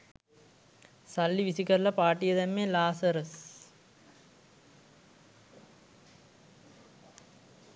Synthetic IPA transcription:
sɐlːiʋisikɐɾlɐpaːʈːijɐt̪ɐmːeːlaːsɐɾəs

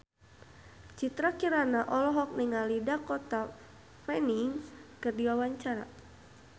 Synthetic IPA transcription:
t͡ʃit̪ɾakiɾanaʔɔlɔɦɔk̚niŋalidakɔt̪a | fɛniŋkɨrdiwawaɲt͡ʃaɾa̰

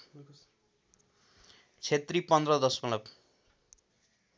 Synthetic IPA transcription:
t͡sʰet̪ripʌnd̪rʌd̪ʌsmʌlʌp

